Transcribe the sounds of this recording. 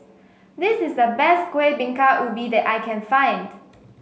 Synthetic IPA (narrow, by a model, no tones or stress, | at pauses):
dɪsɪsdəbɛstkwebĩŋkaʔwɪlbidɛtajkʰɛ̃nfãj̃nd